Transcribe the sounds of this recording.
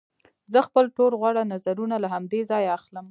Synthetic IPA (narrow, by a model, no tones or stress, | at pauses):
zəxpəlʈolɣwaɽanazaɾunalaɦamd̪ezɑjaaxləm